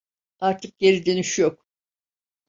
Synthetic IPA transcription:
aɾt̪ʰɯk̚ɟe̞ɾid̪eniʃjok

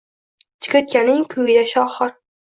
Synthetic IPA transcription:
t͡ʃʰɪ̥kʲɵt̪̚kʲanɪŋkʲʰʊɡɪd̪aʃɒχɨɾ

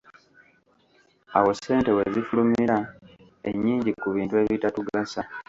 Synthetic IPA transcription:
a̰wo̞se̞ːnte̞we̞zifulumiɾa | ḛɲːiːɲɟikuβiːntue̞ːβitatuɡasa

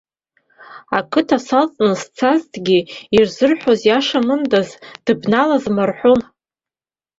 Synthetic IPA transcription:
akʰɨtʰasalt͡sʼnɨst͡sʰaztʰʼɡʲiirzɨrħʷozjaʂamɨndazd̥ɨbnalazmarħʷon

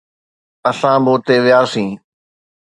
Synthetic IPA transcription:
əsãːboːt̪eːʋɪjaːsĩː

